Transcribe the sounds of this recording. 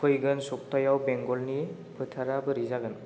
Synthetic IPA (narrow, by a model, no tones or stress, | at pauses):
kʰɯjɡɯnsɔk̚tajawbeŋɡɔlni | pʰɯtʰaɾabɯɾizaɡɯn